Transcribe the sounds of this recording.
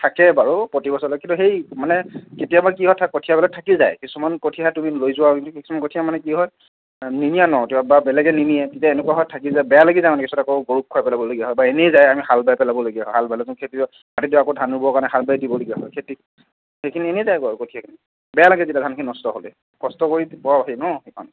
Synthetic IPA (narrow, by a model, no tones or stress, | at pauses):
tʰakɛbaɹupotibɔsɔlɔkĩntuɦejmanɛketijabakiɦɔjtʰakotʰijabɛlatʰakilza̰jkisumankotʰiaaɛtumilojzʊwakintuki̥sumankotʰijamanɛkiɦɔj | ninijanɔtuababɛlɛɡɛniniɛtetiaenɛkuaɦɔjtʰakilzajbɛjalaɡizajmanɛkisumatakoɡoɹup̚kʰːɔajpɛlabɔloɡijaɦɔjbaenezajamihalbajpɛlabɔloɡijaɦɔjɦalbajlɛkũkʰeti | atituakodʱanubɔkanɛɦalbajdibɔloɡijaɦɔjkʰeti | hekʰinienezajkɔkotʰijakʰini | bɛjalaɡɛzetjadʱankʰininɔstɔɦolɛ̰ | kɔstɔkoɹipɔwabaɦinɔhekʰɔ̰n